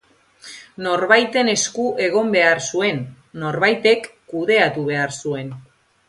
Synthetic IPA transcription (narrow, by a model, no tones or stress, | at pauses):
no̞ɾβajt̪e̞ne̞skuʔe̞ɣ̞o̞mbe̞aɾsue̞nː | o̞ɾβajt̪e̞kːuðe̞at̪uβ̞e̞aɾsue̞n